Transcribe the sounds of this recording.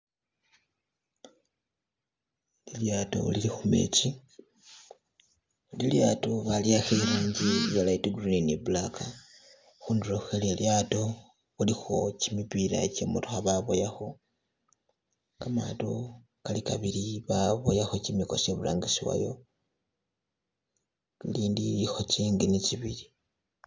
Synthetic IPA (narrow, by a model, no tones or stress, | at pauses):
liljato̞̰ṵlilixume̞̰ci | liljatoβaliaxeɾaːɲɟijalaituɡrininebulaka | xuːnduɾoxuxeleljato̞ | βulixocimipila̰cemutuxaβaβojaxo̞ | kama̰to | kalikaβiliβaβo̞jaxocimiko̞seβula̰ːŋɡisiwa̰jo̞̰ | liːndiixo̞ciːŋɡiniciβili